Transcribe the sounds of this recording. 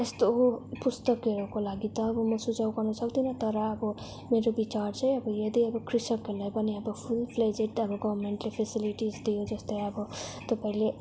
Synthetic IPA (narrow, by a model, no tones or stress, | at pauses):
est̪opust̪ʌkːeɾɔkolaɡit̪ʌːbɔmʌsud͡zawkʌrnʌsʌkd̪inʌt̪ʌɾʌːbɔ | meɾobit͡ʃaɾt͡sʰʌ̃jʌbʌjʌd̪iʌbʌkɾisʌkːelajpʌniʌbʌpʰulpʰled͡zeʈʌbʌɡʌbɾmeɳʈlepʰesiliʈizd̪ijod͡zʌst̪ejʌbʌt̪ʌpaĩle